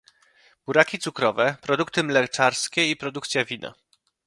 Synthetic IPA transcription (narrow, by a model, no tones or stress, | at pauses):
b̥uɾakʲit̪sukɾɔvɛpɾɔd̪ukt̪ɘmlɛt͡ʂaɾskʲɛipɾɔd̪ukt̪sʲjavʲina̰